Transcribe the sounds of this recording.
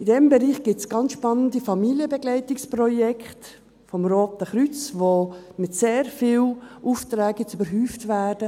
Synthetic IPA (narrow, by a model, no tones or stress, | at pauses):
idɛmbɛɾiːχɡ̥ɪtsɡ̥ɑnt͡ssʃpɑnəndifɑmiljəbɛɡlɛɪtɪksprɔjɛkχt | fɔmroːtəχɾyt͡sʋomɪtseːɾfiːlʔuːft̪ɾɛːɡɪt͡sybəɾɦyːftʋæːd̥ə